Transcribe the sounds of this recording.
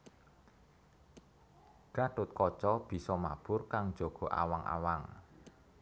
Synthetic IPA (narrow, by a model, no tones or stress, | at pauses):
ɡ̥a̤ʈʊt̪̚kɔt͡ʃɔb̥i̤sɔma̰b̥ʊrkaŋ̥d͡ʒ̥oɡ̥ɔ̤ʔa̰waŋʔa̰waŋ